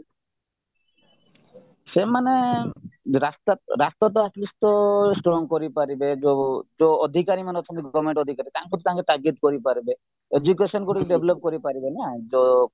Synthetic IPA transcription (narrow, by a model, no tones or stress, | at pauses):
semane | ɾast̪aɾast̪ɔt̪̬ɔaslist̪ɔsʈɾɔŋkoɾipaɾibed͡ʒod͡ʒoɔd̪ʱikaɾimaneɔt̪ʰɔmiɡɔbmeɳʈɔd̪ʱikaɾit̪aŋkut̪ʰit̪aŋkeʈaɾɡet̪koɾipaɾibe | ed͡ʒukesɔnkuʈikeɖebʱlɔp̚koɾipaɾibenad͡ʒo